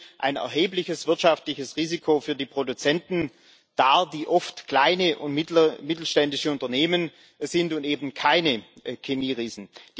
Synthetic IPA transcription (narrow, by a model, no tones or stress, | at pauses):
ʔa̰ɪnɛ̰ɐɦeːplɪçəsv̥ɪɐtʃaftlɪçəsʁiːzikʰofyːɐdiːpʁ̥odut͡sɛntn̩ | d̥aːd̥iːʔɔftkl̥aɪnəʔʊntmɪtl̩ʃtɛndɪʃəʊntɐneːmən | z̥ɪntʊntʔeːbn̩kʰaɪnəkʰemiːʁiːzn̩̥